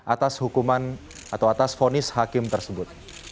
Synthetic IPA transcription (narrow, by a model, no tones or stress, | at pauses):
ʔat̪ashukuman | at̪awat̪asfonɪshakɪmt̪ərsəbʊt̪̚